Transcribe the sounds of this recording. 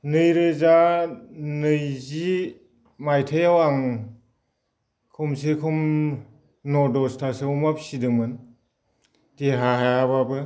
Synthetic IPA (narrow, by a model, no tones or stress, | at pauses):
nɯjɾɯza | nɯjzi | majtʰajawaŋ | kʰumsekʰum | nɔdɔstʰaseumapsidɯŋmɯn | teɦaɦajaβabɯ